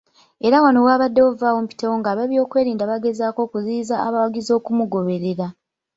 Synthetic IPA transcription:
e̞ɾawanowaːβadːe̞wovaːwo̞mpi̥tewo̞ŋɡaːβaβjo̞ːkwe̞ːɾiːndaβaɡe̞zaːko̞ːkuziːzaːβawaɡizo̞ːkumuɡo̞βe̞ɾe̞ɾa

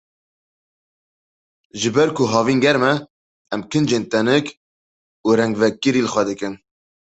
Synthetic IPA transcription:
ʒɨbɛɾkʰʊɦɑːviːnŋɡɛɾmɛ | ɛmkʰɨnd͡ʒeːnt̪ɛnɨk | uːɾɛŋɡvɛkːɨɾiːlɨxʷwɛd̪ɨkɨn

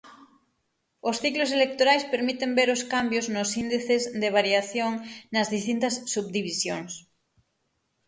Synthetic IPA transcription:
osθiklos̬elek̚t̪oɾajspeɾmit̪embeɾoskambjoznosind̪iθezd̪eβ̞aɾjaθjoŋnɐzðist̪int̪ɐsːuβ̚d̪iβ̞isjoŋs

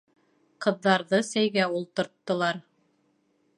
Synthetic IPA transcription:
qɤ̆ðːɑɾðɤsæjɡæulˠt̪ŏɾt̪ːɤ̆lˠɑɾ

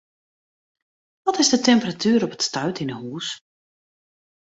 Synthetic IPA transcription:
ʋɔtɪzdətɛmpəratʰyːɾɔpə̥tstœɥtɪnəhuːs

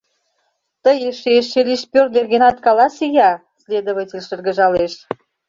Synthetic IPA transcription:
t̪əjeʃeʃelʲiʃpørd̪erɣenɑt̪kɑlɑsijɑ | slʲed̪oβətʲelʲʃə̆rɣə̆ʒɑleʃ

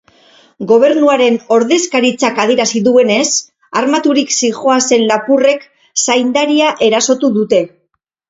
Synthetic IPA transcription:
ɡo̞β̞e̞ɾnuaɾe̞no̞ɾðe̞skaɾit͡sakað̞ieɾasiðue̞ne̞s | armat̪uɾiksixo̞ase̞nlapure̞k | sajnd̪aɾiaʔe̞ɾaso̞t̪uðut̪e̞

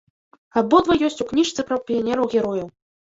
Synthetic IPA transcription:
abɔd̪vɐjɔsʲt͡sʲuknʲiʂt̪sɨpɾɐwpʲianʲɛɾɐwɣʲɛɾɔjɐ

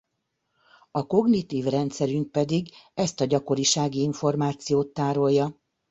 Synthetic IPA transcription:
ɒko̞ɡnit̪iːvrɛnt̪sɛɾyŋk̚pɛd̪iɡɛst̪ɒɟɒko̞ɾiʃaːɡiiɱfo̞rmaːt̪sijoːt̪ːaːɾo̞jːɒ

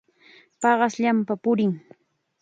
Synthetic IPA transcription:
pɑɢɑsʎampapʊɾɪŋ

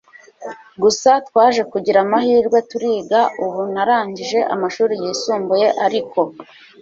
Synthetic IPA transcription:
ɡusatwaːʒe̞kuɟiɾamahiːɾɡwetuɾiːɡauβunaɾaːɲɟiʒe̞ʔa̰maʃuːɾijiːsuːmbuje̞ʔaɾiko̞

